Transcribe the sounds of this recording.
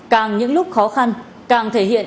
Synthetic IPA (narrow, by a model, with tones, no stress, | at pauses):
kaː˨˩ŋɲɨ̰˧˥ŋlʊ˦˥k͡p̚xɔ˨˦xa˧n | kaː˨˩ŋt̪ʰe˧˩ɦḭ˧˨ən